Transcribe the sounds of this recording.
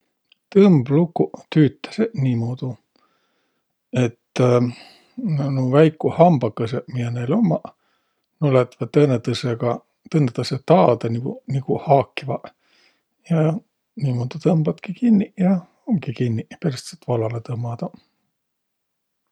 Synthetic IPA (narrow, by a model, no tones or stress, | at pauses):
t̪ɤmblukːut̪yːt̪ːˑɑ̥seniːmoːd̪̥u | e̞t̪ː | nnuvæjkːˑuhɑmb̥ɑkːɤsemijenejlo̞mːɑ | nolet̪vɑt̪ːɤnet̪ɯseɡ̥ɑ | t̪ɤnet̪ːɑset̪ɑːd̪̥ɑniɡunikuhɑːkːivɑ | jɑ | niːmoːd̪̥ut̪ɤmb̥ɑt̪kikinːijɑ | oŋkikinːiperst̪set̪vɑlɑlet̪ɤmːɑd̪̥ɑ